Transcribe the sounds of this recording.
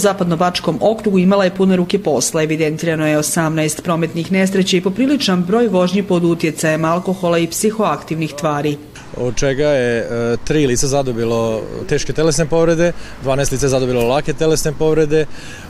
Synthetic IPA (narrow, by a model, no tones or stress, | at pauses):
uzaːpad̪no̞bat͡ʃko̞mʔo̞kɾuɡuimalaje̞pune̞ɾuːke̞po̞slae̞ʋid̪e̞nt̪iːɾano̞jeosamnajst̪pɾo̞ːme̞t̪nixne̞sɾet͡ɕaipo̞pɾiːlit͡ʃnambɾo̞ːjʋo̞ʒɲipo̞d̪ut̪je̞t̪sajemalˠko̞xo̞laipsixo̞akt̪iʋnixt̪ʋaːɾi | od̪̚t͡ʃeɡajet̪ɾiːliːt̪sazad̪obilˠot̪eːʃket̪elesnepo̞ʋɾed̪ed̪ʋaːnaest̪lit̪saezad̪obilolˠaket̪elesnepo̞ʋɾe̞d̪e